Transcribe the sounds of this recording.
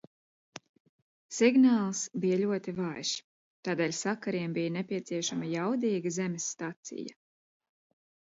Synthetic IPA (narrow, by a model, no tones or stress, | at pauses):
siɡnaːlˠsbijalʲuɔt̪ivajʃ | t̪aːd̪eːlʲsakaɾiɛmbijanɛpʲiɛt̪siɛʃamajawd̪iːɡɐzɛmʲɪsːt̪at̪sḭja